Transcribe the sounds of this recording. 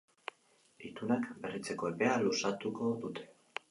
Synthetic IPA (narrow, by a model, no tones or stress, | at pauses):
it̪unakbe̞rit͡se̞ko̞e̞pe̞alusat̪uko̞d̪ut̪e̞̥